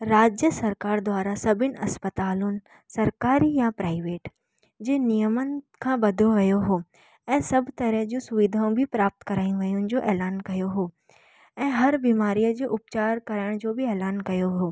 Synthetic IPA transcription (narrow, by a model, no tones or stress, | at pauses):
ɾaːd͡ʑjəsɐɾkaːɾd̪ʋaːɾasɐbʱɪnɪ̆ʔɐspət̪aːlʊnɪ̆ | sɐɾkaːɾijãpɾaːɪʋeːʈ | d͡ʑeːnijəmənɪ̆kʰãːbɐd̪ʱoʋɐjoɦoː | ɛ̃ːsɐbʱt̪ɐɾəɦd͡ʑũsʊʋid̪ʱaːũbʱɪpɾaːp̚t̪kɐɾaːĩʋɐjʊnɪ̆d͡ʑoːʔɛːlaːnkɐjoɦoː | ɛ̃ːɦɐɾbiːmaːɾijəd͡ʑeːʔʊpt͡ɕaːɾkɐɾəɽ̃d͡ʑoːbɪɛːlaːnkɐjoɦoː